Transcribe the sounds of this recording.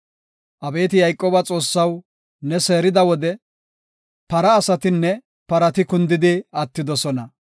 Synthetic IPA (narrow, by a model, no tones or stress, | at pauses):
ʔɐbe̞ːt̪ɪjɐjkʼːoːbɐt͡sʼo̞ːsːɐw | nɛse̞ːɾɪd̪ɐwɔd̪ɛ | pɐɾɐːsɐt̪ɪnːɛ | pɐɾɐt̪ɪkʊnd̪ɪd̪ɪɐt̪ːɪd̪ɔsɔnɐ